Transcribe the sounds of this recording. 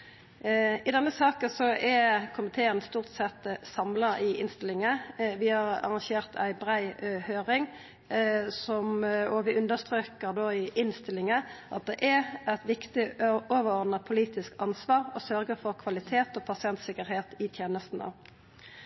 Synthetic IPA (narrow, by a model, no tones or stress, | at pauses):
ɪd̪ɛnːəsɑːkəsɔʔɛkʰʊmɪt̪ʰeːənst̪uːʁt̪sɛt̪sɑmlɑʔɪɪnst̪ɪlɪŋəʋɪhɑʁɑ̰ʁɑnʃeːʁt̪ʰæɪbʁæɪhøːʁɪŋ | sɔmoːʋɪʔʉnd̪əʁst̪ʁøːkəʁd̪oːɪʔɪnst̪ɪlːɪŋəʔɑt̪̚d̪ɛʔɛæt̪ʋɪkt̪ɪoːʋəʁɔʁd̪nɑpʰʊliːt̪ɪskɑnsʋɑːʁɔsœɾɡəfɔʁkʰʋɑlɪt̪ʰeːt̪oːpʰɑsɪɛnt̪sɪkəɾheːt̪ɪt̪ʰjeːnəst̪n̩ə̰